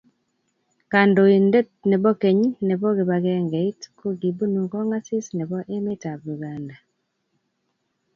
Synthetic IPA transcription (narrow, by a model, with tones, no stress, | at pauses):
ka˨ndo˨i˨nde˦tne˨bɔ˦ke˨ɲ˦ne˨bɔ˦ɣe˨βa˨ɣɛ˦ŋɡe˨i˦tko˦ɡi˨bu˦nu˨kɔ˦ŋa˦si˦sne˨βɔ˦ʔe˦me˦ta˨bju˨ɡa˨nda˨